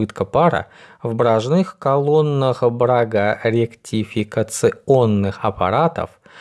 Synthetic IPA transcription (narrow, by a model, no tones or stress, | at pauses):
ɨt̪kəpaɾə̰vbɾaʐnɨxkalˠonːɨχbɾaɡaɾʲɪktʲʰɪfʲɪkət̪sɨonːɨxɐpʰa̰ɾat̪ə̰f